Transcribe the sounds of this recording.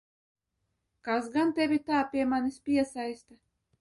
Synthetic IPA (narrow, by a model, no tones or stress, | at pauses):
kasɡant̪ʲevʲit̪aːpʲiɛmanʲispʲiɛsajst̪a